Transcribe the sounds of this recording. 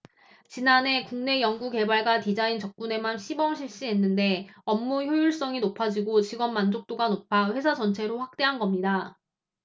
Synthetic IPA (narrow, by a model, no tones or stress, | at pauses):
t͡ɕinane̞kuŋne̞jʌŋɡuke̞baɭɡatid͡ʑaint͡ɕʌk̚k͈une̞manɕʰibʌŋɕʰiɭɕ͈iɦe̞nːɯnde̞ʌmːuçjojuɭs͈ʌŋinopʰad͡ʑiɡot͡ɕiɡʌnmand͡ʑok̚t͈oɡanopʰaɸwe̞sʰad͡ʑʌnt͡ɕʰe̞ɾoɸwak̚t͈e̞ɦanɡʌmɲida